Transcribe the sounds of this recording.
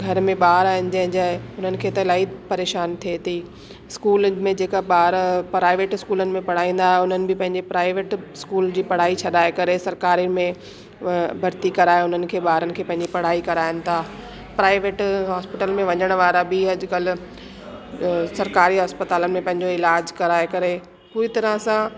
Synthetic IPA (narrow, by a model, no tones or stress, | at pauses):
ɡʱɐɾmẽɓaːɦɾaːɦɪnɪ̆d͡ʑɐ̃ɦɪ̃ɲd͡ʑaːʊn̤ənɪ̆kʰeːt̪ɐlaːipɐɾeːʃaːnt̪ʰiet̪ʰiː | ɪskuːlmẽd͡ʑeːkaɓaːɾpɾaːɪʋeːʈɪskuːlənɪ̆mẽpɐɽ̤aːĩːn̆d̪aːɦʊnənɪ̆bɪpɐ̃ɦɪ̃ɲd͡ʑipɾaːɪʋeːʈskuːld͡ʑiːpɐɽ̤aːit͡ɕʰɐɗaːekɐɾesɐɾkaːɾiɪ̆mẽ | bʱɐɾt̪ikɐɾaːeʊn̤ənɪ̆kʰeːɓaːɾənɪ̆kʰeːpɐ̃ɦɪ̃ɲd͡ʑipɐɽ̤aːikɐɾaːjənɪ̆t̪ʰaː | pɾaːɪʋeːʈɦaːspɪʈəlmẽʋɐɲəɽ̃ʋaːɾabɪɐd͡ʑkɐl̤ | sɐɾkaːɾiɦaːspɐt̪aːlənɪ̆mẽpɐ̃ɦɪ̃ɲ̆d͡ʑoɪlaːd͡ʑkɐɾaːekɐɾe | puːɾit̪ɐɾə̃sã